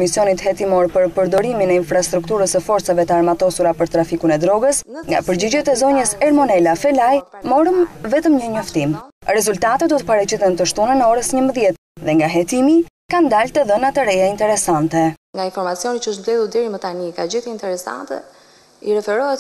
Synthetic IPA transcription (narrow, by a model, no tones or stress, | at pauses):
misijɔnit̪hɛt̪imɔɾpəɾpəɾd̪ɔɾiminɛinfɾast̪ɾuk̚t̪uɾəsəfɔɾt̪t͡savɛt̪əaɾmat̪ɔsuɾapəɾt̪ɾafikunɛd̪ɾɔɡəsŋɡa̰pəɾd͡ʑid͡ʑɛt̪ɛzɔɲəsɛɾmɔnɛlafɛlajmɔɾəmvɛt̪əmɲəɲɔft̪imrɛzult̪at̪ɛt̪d̪ɔt̪əpaɾat͡ɕiθənt̪əʃt̪unənəɔɾəsɲəmbəðjɛt̪̚ | ðɛŋɡaɦɛt̪imikand̪alt̪əðənat̪əɾɛjaint̪ɛɾɛsant̪ɛŋɡainfɔɾmat͡sijɔnit͡ʃəəʃblɛðˠud̪ɛɾimət̪anikad͡ʑiθɛint̪ɛɾɛsa̰nt̪ɛ̰ | iɾɛfɛɾɔɦɛt̪